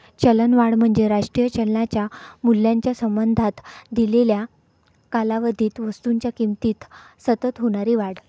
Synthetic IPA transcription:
t͡ɕələnʋaɽm̤əɳd͡zeɾaʂʈɾijət͡ɕəlnat͡ɕjamul̤ːjaɲt͡ɕjasəmbənd̪ʱat̪d̪ilelja | kalaʋəd̪ʱiːt̪ʋəst̪uɲt͡ɕjakimt̪iːt̪ | sət̪ət̪ɦoɽ̃aɾiːʋaɽ

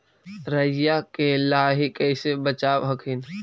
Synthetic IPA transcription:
ɾəjakelaːɦikɛːsebət͡ʃaːwɦɐkʰɪn

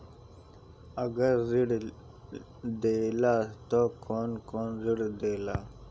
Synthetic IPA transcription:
aɡaɾziɽ | d̪elat̪okʰonkoːnziɽd̪ela

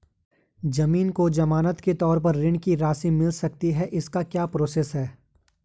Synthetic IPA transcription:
d͡ʒɐmiːnkod͡ʒɐmaːnət̪ket̪ɔːɾpɐɾːɪ̃ɳkiɾaːsimɪlsɐk̚t̪iɦɛʔɪskakjaːpɾoːseːsɦɛː

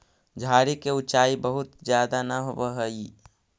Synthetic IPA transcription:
d͡ʒʱaːɾikeʊt͡ʃaːibəɦʊt̪d͡ʒjaːd̪anəɦobəɦəi

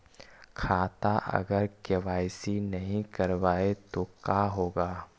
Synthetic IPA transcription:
kʰaːt̪aʔɐ̰ɡəɾkeʋaːɪsinɐɦĩkɐɾʋaːet̪okaːɦoːɡaː

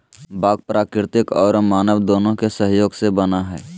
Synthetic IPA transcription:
baːɡ̚pɾʔaːkɾɾɪt̪ɪkɔːɾmaːnəʋd̪oːnõkesəɦjoːɡsebənaɦɛː

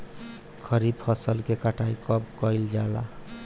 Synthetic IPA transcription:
kʰʌɾib̚pʰʌsəlkekaʈʰaikʌbkʌjld͡ʒala̰

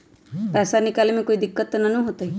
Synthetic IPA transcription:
pɛsanikalimekoid̪ikːɔt̪nanũɦot̪aj

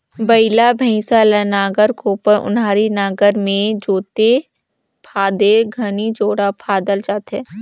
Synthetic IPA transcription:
bəɪlabʱəɪ̃salənaːɡəɾkopəɾʔʊ̰nɦaːɾinaːɡəɾmẽd͡ʒoːt̪e | pʰaːd̪eɡʱɐnid͡ʒoːɽapʰaːd̪əld͡ʒaːt̪ɦɛː

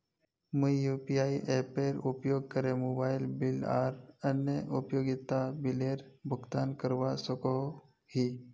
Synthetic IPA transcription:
mujjupiaiʔepeɾupjoɡ̚kəɾemobajlbila̰ɾənːəʔupjoɡit̪abileɾbʱuɡt̪ankəɾʋasəko | hi

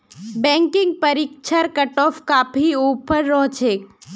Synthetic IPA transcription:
bɛ̃ːŋkɪ̃ŋɡ̚pɐɾiːkʃʰəɾkɐʈɔːfkapʰioːpəɾːɔɦt͡ʃeːk

